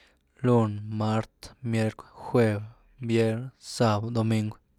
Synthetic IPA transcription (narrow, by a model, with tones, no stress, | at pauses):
lu˦˨nma˦ɾt̪mje˦ɾkʷxwe˧b | bje˦ɾsa˦˧bd̪o˧mi˧ŋɡ